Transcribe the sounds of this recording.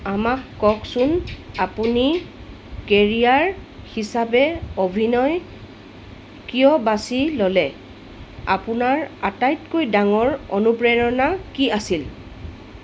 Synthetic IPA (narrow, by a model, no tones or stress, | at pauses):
amakːɔksunapuni | keɹijaɹhisabɛobʱinɔj | kijɔbasilolɛ | a̰punaɹatajtkojdaŋɔɹo̰nupɹɛjɔnakiasil